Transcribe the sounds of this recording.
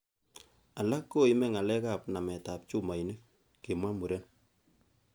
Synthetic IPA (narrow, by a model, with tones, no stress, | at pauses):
a˨la˦kːo˦i˦mɛ˦ŋa˨lɛ˦ka˦p̚na˨mɛ˨ta˨p̚t͡ʃu˦ma˨ine˦kː | e˨mwa˦mu˨ɾɛ˦n